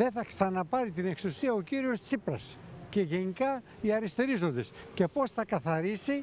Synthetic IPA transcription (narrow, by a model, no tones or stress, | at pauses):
ðe̞θɐksɐnɐpɐɾit̪ine̞ksusiɐo̞ciɾiost͡sipɾɐ̰sce̞ʝe̞nikɐ | iɐɾist̪eɾizo̞nd̪e̞sce̞po̞sθɐkɐθɐɾisi